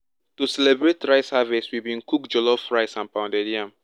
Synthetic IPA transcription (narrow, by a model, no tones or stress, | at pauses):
tusɛlɛbɹetɹaɪsavɛswivbĩnkukd͡ʒɔlɔfɹaɪsãnpãʊndɛdiãm